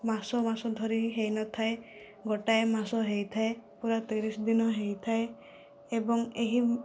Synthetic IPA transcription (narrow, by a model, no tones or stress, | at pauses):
masɔmasɔd̪ʱɔɾiɦejnɔt̪ʰae | ɡoʈaemasɔɦejt̪ʰaepuɾat̪eɾisɔd̪inɔɦejt̪ʰae | ebɔŋeɦi